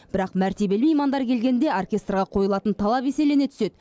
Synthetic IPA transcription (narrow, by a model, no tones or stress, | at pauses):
b̥ɪɾɑqmæɾt̪e̞be̞lmejmɑnd̪ɑɾkʲʰe̞lɡʲe̞nd̪e̞orkʲe̞st̪rʁɑqʰo̞jəlˠɑt̪ənt̪ʰɑlˠɑpe̞se̞le̞ne̞t̪ʰʏ̥se̞d̪